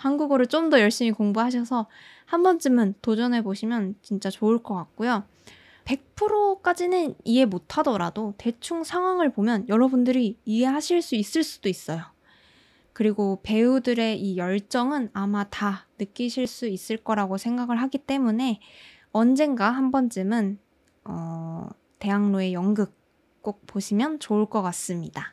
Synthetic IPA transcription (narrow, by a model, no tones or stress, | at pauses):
hanɡuɡʌɾɯɭt͡ɕ͈omdʌjʌɭɕ͈imikoŋbuɦaɕ̬ʰʌsʰʌ | hanbʌnd͡ʑ͈ɯmɯntod͡ʑʌne̞boɕʰimjʌnt͡ɕint͡ɕ͈at͡ɕoɯɭk͈ʌk͈ak̚k͈ojo | pe̞k̚pʰɯɾok͈ad͡ʑinɯnie̞motʰadʌɾa̰dote̞t͡ɕʰuŋsʰaŋɦwaŋɯɭpomjʌnjʌɾʌbundɯɾiːe̞ɦaɕʰiɭs͈uis͈ɯɭs͈u̥d̥ois͈ʌjo | kɯɾiɡope̞udɯɾe̞ʔijʌɭt͡ɕ͈ʌŋɯnamatanɯk͈iɕʰiɭs͈uis͈ɯɭk͈ʌɾaɡosʰeŋɡaɡɯɭɦaɡit͈e̞mune̞ | ʌnd͡ʑe̞ŋɡaɦambʌnt͡ɕ͈ɯmɯn | ʌ | te̞ɦaŋnoe̞jʌŋɡɯk̚ | k͈ok̚p͈oɕʰimjʌnt͡ɕoɯɭk͈ʌk͈as͈ɯmɲida